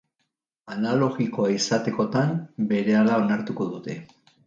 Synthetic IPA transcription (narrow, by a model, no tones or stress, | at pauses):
analo̞ɣiko̞aisat̪e̞ko̞t̪ambe̞ɾe̞alao̞naɾt̪uko̞ðut̪e̞